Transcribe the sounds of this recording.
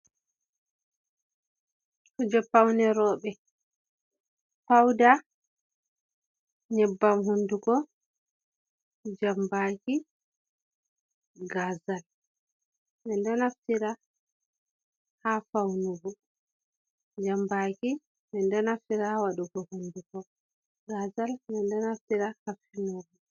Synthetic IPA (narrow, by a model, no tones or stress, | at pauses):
kud͡ʒɛpːawnɛɾɔːɓɛ | fawda | ɲɛbːamɦunduɡɔ | d͡ʒambaki | ɡazal | mɛndɔnaftiɾa | hafawnuvu | d͡ʒambaki | mɛndɔnaftiɾawaɗuɡɔhundukɔ | ɡazalmɛndɔnaftiɾahafinovu